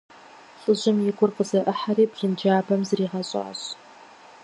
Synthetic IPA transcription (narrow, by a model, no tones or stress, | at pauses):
ɬʼɨʑɪmjɪɡʷʊrqəzɐʔəħaɾiːbʒɪnd͡ʒaːbɐmzriːʁɐɕʼa̰ːɕ